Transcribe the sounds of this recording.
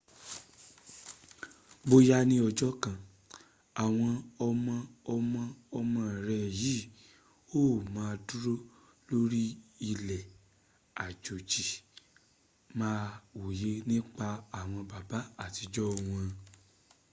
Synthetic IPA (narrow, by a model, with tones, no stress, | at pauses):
bo˧ja˧nĩ˧ɔ˧d͡ʒɔ˦kã˨ | a˨w̃ɔ̃˧ɔ˧mã˧ɔ˧mã˧ɔ˧mã˧˦˨ɾɛ˧˦˨ji˨˦˨ | o˦˨mãː˨˦˧du˦ɾo˦ | lo˦ɾi˦i˧lɛ˨ | a˨d͡ʒo˨t͡ʃi˨ | mãː˦o˨je˨˦nĩ˦k͡pa˧a˨w̃ɔ̃˧ba˨ba˨˦a˦˨ti˧d͡ʒɔ˦˧w̃ɔ̃˧